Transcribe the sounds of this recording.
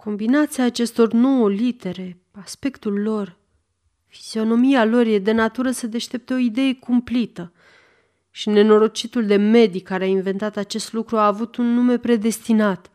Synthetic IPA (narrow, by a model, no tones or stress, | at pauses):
kʰo̞mbinat̪siaːt͡ʃe̞st̪o̞rno̞wəlit̪e̞ɾe̞ | aspe̞kt̪ulːo̞r | fi̥z̥io̞no̞mialo̞rjed̪e̞nat̪uɾəsəd̪e̞ʃt̪e̞p̚t̪eo̞id̪e̞je̞kumplit̪ə | ʃine̞no̞ɾo̞t͡ʃit̪uld̪e̞me̞d̪ikaɾeainve̞nt̪at̪at͡ʃe̞st̪lukɾuaːvut̪unːume̞pɾe̞d̪e̞st̪inat̪